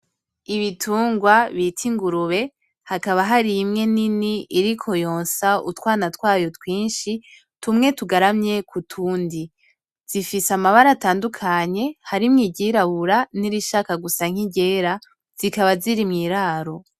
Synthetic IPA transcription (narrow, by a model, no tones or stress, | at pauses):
iβitʰuːŋɡwaβitʰiŋɡuɾuβe̞ | hakaβaɦaɾimŋe̞niniiɾikʰo̞joːnsautwaːnatwaːjo̞twiːnʃi | tumŋe̞tuɡaɾamɲe̞kʰutʰuːndi | z̥ifisamaβaɾataːndukʰaɲe̞haɾimŋiːɟiɾaβuɾaniɾiʃaːkaɡusaŋ̥iɟe̞ːɾa | z̥ikaβaziɾimŋiːɾaːɾo̞